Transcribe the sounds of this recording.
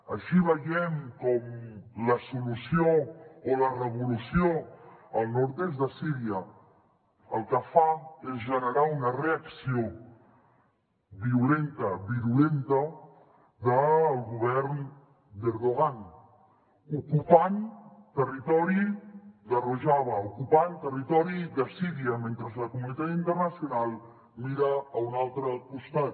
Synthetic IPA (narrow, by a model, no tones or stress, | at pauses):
əʃiβəjɛmkɔmləsulusioolərəβ̞ulusjoəlˠnɔɾt̪ezd̪əsiɾiə | əlˠkəfaezʒənəɾaunəreəksio | βiulent̪əβiɾulent̪ə | ðəːlˠɣuβ̞ɛɾn | d̪eɾðuɣ̞an | ukupant̪ərit̪ɔɾid̪əruʒaβ̞əukupant̪ərit̪ɔɾiðəsiɾiəment̪ɾəzləkumunit̪at̪int̪əɾnəsjunalˠ | miɾaːunalˠt̪ɾəkust̪at̪